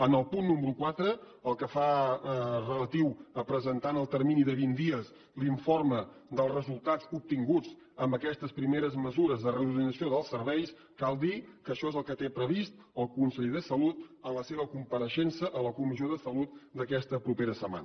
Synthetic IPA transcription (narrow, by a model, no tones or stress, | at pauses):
ənəlˠpunːuməɾukwat̪ɾə | əlˠkəfa | rələt̪iwəpɾəzənt̪anəlˠt̪əɾminiðəβind̪iəs | liɱforməd̪əlˠzrəzulˠt̪ad͡zup̚t̪iŋɡut͡s | əmbəkɛst̪əspɾimeɾəzməzuɾəzðərəuðinəsioðəlˠsəɾβɛjs | kalˠd̪ikəʃɔezəlˠkət̪epɾəβist̪ | əlˠkunsəʎðəsəlut̪ənləseβ̞əkumpəɾəʃensəʔələkumisioðəsəlut̪̚d̪əkɛst̪əpɾupeɾəsəma̰nə